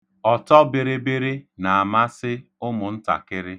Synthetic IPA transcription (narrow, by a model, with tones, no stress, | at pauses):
ɔ˨tɔ˦bɪ˨ɾɪ˦be˦ɾɪ˦na˨a˨ma˦sɪ˦ | ʊ˦mʊ˨n̩˦ta̰˨kɪ˦ɾɪ˦